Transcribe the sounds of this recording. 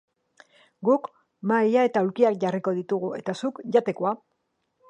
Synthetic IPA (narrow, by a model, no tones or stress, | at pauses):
ɡuk | majae̞t̪auɾkiakɟariko̞ðit̪uɣue̞̰t̪asukʝat̪e̞koa